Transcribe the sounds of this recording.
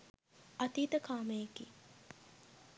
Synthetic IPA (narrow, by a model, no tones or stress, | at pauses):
ɐt̪iːt̪əkʰaːməjekḭː